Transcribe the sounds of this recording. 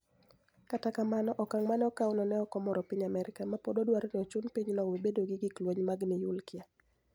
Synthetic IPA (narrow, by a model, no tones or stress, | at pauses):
katakamanɔʔɔkaŋmanɛɔkawʊnɔnɛɔkɔmɔɾɔpiɲamɛɾɪkamapododwaɾnɪɔt͡ʃunpiɲnɔwibedoɡɪɡɪklwoɲmaɡnɪjulkɪa